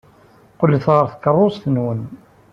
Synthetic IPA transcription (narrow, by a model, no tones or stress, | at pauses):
qʊlːθʁəɾˤθkːərˤːosˤθənwən